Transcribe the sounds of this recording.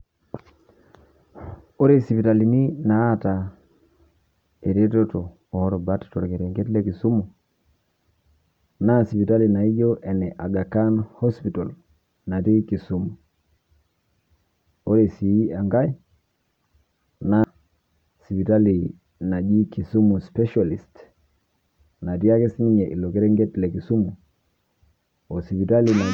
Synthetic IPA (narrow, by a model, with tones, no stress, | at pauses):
o˦ɾe˦si˨pi˨ta˨li˨ni˦naː˨˦ta˨ | e˨ɾe˦to˦to˨ | o˨˦ɾo˨ba˦tto˨ɾke˨ɾe˨ŋɡe˦tle˦ki˨su˦mu˨ | na˦si˨pi˨ta˦li˨na˨i˦ɟo˦ʔe˨nɛ˨ʔa˨ɡa˨ka˦nhɔ˦spi˨to˨l | na˨ti˦ki˨su˦mu˨ | o˦ɾe˨si˨˦a˨ŋɡa˦i˦ | na˦ | si˨pi˨ta˦li˨ | na˨d͡ʒi˦ki˨su˦mu˨spɛ˦ʃa˨li˨st | na˨ti˦a˦ke˦sni˦ɲɛ˨ʔḭ˨lo˨kɛ˦ɾɛ˦ŋɡɛ˦tlɛ˨ki˨su˦mu˨ | o˨si˨pi˨ta˦li˨na˨